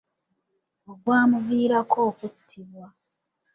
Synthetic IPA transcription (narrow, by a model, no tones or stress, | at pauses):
oɡwaːmuviːɾakʰoːkutʰːiβwa